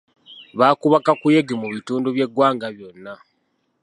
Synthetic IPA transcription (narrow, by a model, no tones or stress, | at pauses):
βaːkuβakakujeɡemuβituːnduβje̞ɡwaːŋɡaβjo̞nːa